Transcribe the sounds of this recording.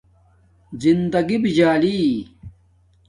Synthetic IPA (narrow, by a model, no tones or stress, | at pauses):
zind̪ɐɡibid͡ʑaːli